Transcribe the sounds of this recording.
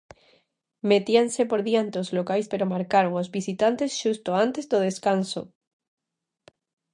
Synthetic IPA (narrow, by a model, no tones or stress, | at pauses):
met̪iansepoɾðjant̪ozlokajspeɾomaɾkaɾoŋozβisit̪ant̪esʃust̪oant̪ezðoð̞eskanso